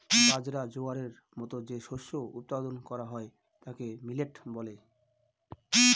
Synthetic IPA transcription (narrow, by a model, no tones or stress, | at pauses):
bad͡ʑɾad͡ʑoaɾeɾ | mɔt̪od͡ʑeʃoʃːout̪̚pad̪onkɔɾaɦɔe | t̪akemileʈbɔle